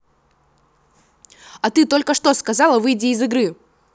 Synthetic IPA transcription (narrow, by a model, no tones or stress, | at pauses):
ɐt̪ɨt̪o̞lʲkəʂt̪o̞skɐzɑlˠəvɨjdʲɪːzɨɡɾɨ